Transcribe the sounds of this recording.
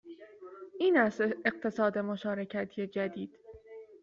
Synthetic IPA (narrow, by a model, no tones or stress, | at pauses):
ʔiːnæse̞q̚t̪ʰe̞sɒːd̪e̞moʃɒːɾe̞cʰæt̪ʰije̞d͡ʒæd̪iːd̪̥